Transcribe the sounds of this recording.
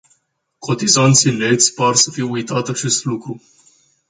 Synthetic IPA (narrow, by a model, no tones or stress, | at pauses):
kʰo̞t̪izant̪sile̞t̪sʲparsəfijujt̪at̪at͡ʃe̞st̪lukɾu